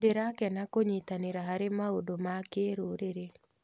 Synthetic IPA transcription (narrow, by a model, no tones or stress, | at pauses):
deɾakɛnakoɲit̪anɪɾaɦaɾemaodomakeɾoɾeɾe